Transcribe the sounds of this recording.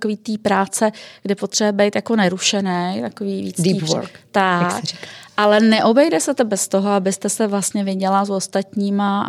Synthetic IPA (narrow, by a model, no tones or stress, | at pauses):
koviːt̪iːpɾaːt͡sɛɡ̥dɪpot̪r̥ɛɛbɛjt̪jako̞nɛɾuʃɛnɛjt̪akoviːviːt͡sdiiːpo̰ɾkt̪akikʔalɛnɛʔo̞bɛjdɛsɛt̪obɛst̪oɦoabɪst̪ɛsɛvlast̪ɲɛvɪɟɛlazost̪at̪ɲiːma